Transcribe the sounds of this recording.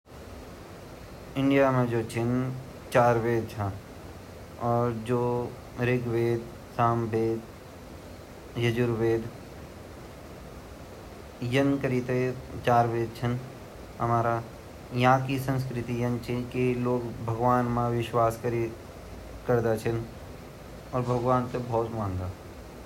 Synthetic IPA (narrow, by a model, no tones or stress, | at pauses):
ɪ̃ɳɖijamẽd͡ʒoːt͡ʃʰɪn | t͡ʃaːɾʋeːd̪̚t͡ʃʰã | ɔːɾd͡ʒoː | ɾɪɡʋeːd̪̚ | saːmbeːd̪ | jəd͡ʒʊɾʋeːd̪ | jənkəɾit̪et͡ʃaːɾʋeːd̪̚t͡ʃʰən | ɦəmaːɾa | jɦãkisə̃ns̬kɾɪt̪ijənt͡ʃʰikiloːɡbʱəɡʋaːnmãʋɪʃwaːskəɾi | kəɾd̪at͡ʃʰən | ɔːɾbʱɐɡʋaːnt̪ebʱɔːt̪mãːnd̪aː